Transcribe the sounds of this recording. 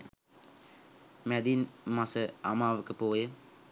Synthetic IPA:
mɛd̪inmasəa̰maːʋəkəpoːjə

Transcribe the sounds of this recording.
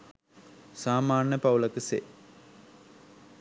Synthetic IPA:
saːmaːɳjəpɐwlɐkəsḛ

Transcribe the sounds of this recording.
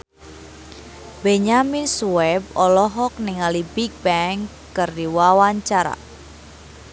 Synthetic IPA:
beɲaminsuwɛb̚ɔlɔɦɔk̚nɪŋalibik̚bɛŋkː | ɨrdiwawaɲt͡ʃaɾa̰

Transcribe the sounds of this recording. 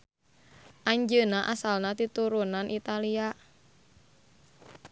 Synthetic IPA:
ʔaɲd͡ʒənaʔasalnat̪it̪uɾunanʔit̪alia

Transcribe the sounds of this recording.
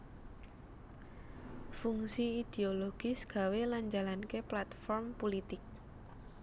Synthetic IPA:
fuŋsiid̪̥eoloɡ̥isɡ̥a̤weland͡ʒalankeplat̪fɔrmpolit̪ɪk̚

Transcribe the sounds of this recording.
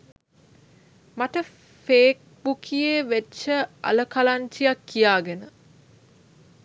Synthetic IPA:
maʈə | feːk̚ | bukʰijeːʋetːt͡ʃəa̰ləkalaɲt͡ʃijakːijaːɡenə

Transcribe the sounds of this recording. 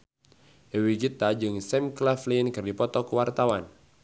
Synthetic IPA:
awiɡit̪ad͡ʒɨŋsɛmklaflinkɨrdipɔt̪ɔkəwart̪awan

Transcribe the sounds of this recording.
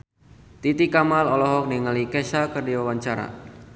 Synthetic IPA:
t̪it̪ikamalɔlɔɦɔk̚niŋalikɛʃakərdiwawaɲt͡ʃaɾa̰

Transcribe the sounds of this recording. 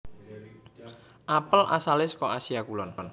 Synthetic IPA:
ʔapəlʔa̰salɪskɔʔasiakulɔnn

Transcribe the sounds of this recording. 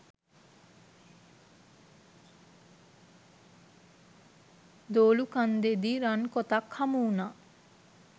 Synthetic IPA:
d̪oːlukand̪ed̪iɾankot̪akhamuːna

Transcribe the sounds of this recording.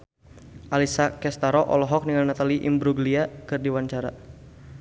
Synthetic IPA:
ʔalisakɛst̪aɾɔʔɔ̰lɔɦɔk̚niŋalnat̪aliʔḭmbɾuɡliakɨrdiwaɲt͡ʃaɾa̰

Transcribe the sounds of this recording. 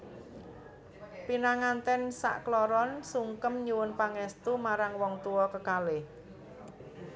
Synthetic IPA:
pinaŋant̪ɛnsa̰ʔklɔɾɔnsuŋkəmɲuwʊnpaŋɛst̪umaɾaŋwɔŋt̪uwɔkəkalɪh

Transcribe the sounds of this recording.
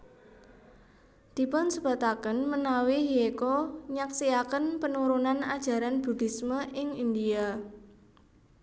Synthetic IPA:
d̪̥i̤pʊnsəb̥a̤t̪akənmənawiɦiekɔɲaksiakənpənuɾunanad̥ʒ̥a̤ɾanb̥ṳd̪̥i̤sməʔɪŋind̪ia

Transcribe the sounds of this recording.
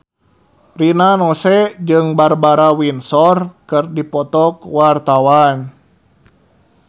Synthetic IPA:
rinanɔsɛd͡ʒɨŋbarbaɾawinsɔrkɨrdipɔt̪ɔkwart̪awan

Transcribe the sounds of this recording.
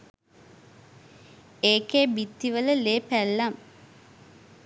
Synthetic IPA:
eːkeːbit̪ːiʋələleːpælːam

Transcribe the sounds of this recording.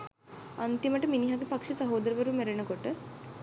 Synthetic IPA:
ɐnt̪iməʈəminiɦaɡipɐkʂisɐɦoːd̪ɐɾəʋɐɾumeɾenɐkoʈə

